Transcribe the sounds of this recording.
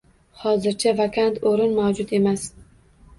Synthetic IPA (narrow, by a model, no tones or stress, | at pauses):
hɒzɪɾt͡ʃʰavakʲʰant̪ʰoɾɪnmawd͡ʒʊt̪e̞mas